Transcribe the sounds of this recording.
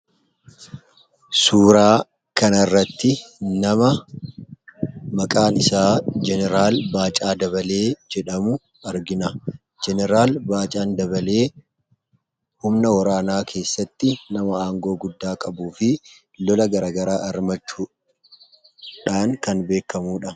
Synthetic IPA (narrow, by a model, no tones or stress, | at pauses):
suːɾaː | kɐnɐrːɐt̪ːɪnɐmɐ | mɐkʼaːnɪsaːd͡ʒɛnɛɾaːlbaːt͡ʃʼaːd̪ɐβɐle̞ːd͡ʒɛᶑɐmʊ | ɐɾɡɪnɐ | d͡ʒɛnɛɾaːlbaːt͡ʃʼaːnd̪ɐβɐleː | hʊmnɐwɐɾaːnaːkʰe̞ːsːɐt̪ːɪnɐmɐaːŋɡo̞ːɡʊd̪ːaːkʼɐbuːfɪ | lɔlɐɡɐɾaːɡɐɾaːʔɐɾmɐt͡ʃːu | ᶑaːŋkɐnbe̞ːkːɐmuːᶑɐ